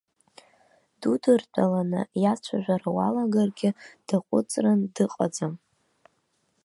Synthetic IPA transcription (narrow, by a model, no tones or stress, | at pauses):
d̥udɨrtʰʼalanɨ̰jat͡ʃʷʰaʒᶣʷaɾawa̰laɡarɡʲɪd̥aqʷʼʊ̰t͡sʼrandɨqʼad͡zam